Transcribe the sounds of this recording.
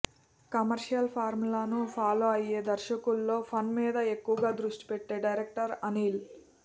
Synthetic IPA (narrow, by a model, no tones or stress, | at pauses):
kɐmɐɾʂijɐlpʰaːɾmlɐnupʰaːloːɐje̞ːd̪ɐɾʃɐkulːo̞ːpʰɐnmiːd̪ɐe̞kːuʋɐɡaːd̪ɾuʂʈi̥peʈːe̞ːɖɐjɾek̚ʈɐɾɐniːl